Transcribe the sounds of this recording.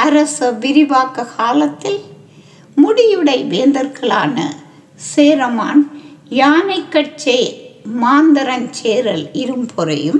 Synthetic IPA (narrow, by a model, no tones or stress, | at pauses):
ɐɾɐsɐʋɪɾɪbaːkːɐkʰaːlɐt̪ːɪl | mʊɽɪjɯɽɐɪʋeːnd̪ɐɾɣɐɭa̰ːnɐ̰ | seːɾɐmaːnjaːnɐɪkːɐʈ̚t͡ʃɐɪmaːnd̪ɐɾɐnt͡ʃeːɾɐlɪɾɯmpʰɔɾɐ̰jɯm